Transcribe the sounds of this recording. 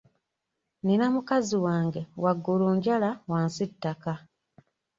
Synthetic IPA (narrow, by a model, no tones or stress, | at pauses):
ninamukaziwaːŋɡe̞waɡːuloːɲɟalawaːnsitːaka